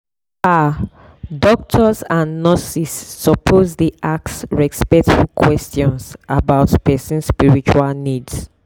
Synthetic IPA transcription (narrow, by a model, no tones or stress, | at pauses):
a | dɔk̚tʰɔsãnːɔsisːɔpʰozðiʔak̚tsɹɛspɛk̚tfukʰwɛstʰjɔ̃nsabaʊtpɛsũnspiɹit͡ʃualnids